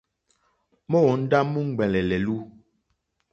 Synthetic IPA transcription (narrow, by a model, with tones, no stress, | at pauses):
mɔ˦wɔ˨˦n̩˦da˦mu˦ŋ̩˦˨ɡ͡bɛ˨lɛ˨lɛ˨lu˦